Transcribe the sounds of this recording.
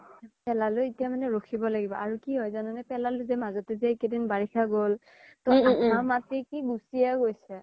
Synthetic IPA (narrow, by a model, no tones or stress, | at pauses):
pɛlalʊitijamanɛɹokʰibɔlaɡibɔʔaɹukiɦɔjzanɔnɛpɛlalʊzɛmazɔtɛzɛkedinbaɹikʰaɡol | tɔaamatikiɡusiaɡojsɛ